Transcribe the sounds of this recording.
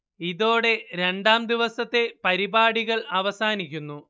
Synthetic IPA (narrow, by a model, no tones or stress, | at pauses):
iðo̞ːɽe̞ɾe̞ɳɖaːmd̪iʋɐsɐt̪ːe̞pɐɾibaːɽiɣɐɭɐʋɐsaːnikʲːunːu